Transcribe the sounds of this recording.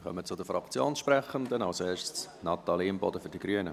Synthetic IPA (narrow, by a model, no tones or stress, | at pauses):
χœ̰mət͡sʊd̪əfɾɑkt͡sjoːnsʃpɾɛχːəndənɑʊseːʃt͡snɑt̪ɑliɪmbɔ̰dəfʏɾd̥iɡ̥ɾyənə̰